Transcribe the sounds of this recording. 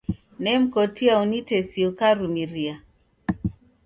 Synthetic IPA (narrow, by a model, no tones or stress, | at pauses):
nɛm̩kɔtiaunitɛsiukaɾumiɾia